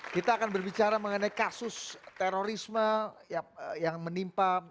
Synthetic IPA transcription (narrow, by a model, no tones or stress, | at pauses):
kit̪aːkanbərbit͡ʃaɾaməŋənajkasʊst̪eɾoɾisməjajaŋmənimpa